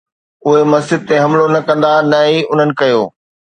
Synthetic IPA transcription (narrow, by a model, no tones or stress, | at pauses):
ʊɦemɐzd͡ʑɪd̪̚t̪eɦɐ̃mlonɐkɐ̃nd̪anɐiʊn̤ənɪ̆kɐjoː